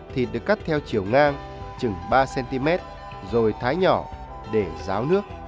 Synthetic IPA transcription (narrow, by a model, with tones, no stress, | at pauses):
t̪ʰi˨˩t̚ɗɨ˨˩əkːa˦˥t̚t̪ʰɛ˧wt͡ɕi˧˩əwŋaː˧ŋ | t͡ɕɨ˨˩ŋɓaː˧sɛ˧nt̪i˧mɛ˦˥t̚ | zo˨˩jt̪ʰaː˨˦jɲɔ˧˩ | ɗe˧˩zaː˨˦wnɨ˦˥ək̚